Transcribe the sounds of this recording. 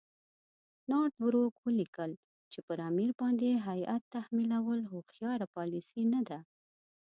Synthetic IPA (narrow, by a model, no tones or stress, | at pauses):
nɑʈbɾokwəlikəl | t͡ʃepəɾɑmiɾbɑnd̪eɦajat̪ːahmilawəlxʊxjɑɾapɑlisinad̪a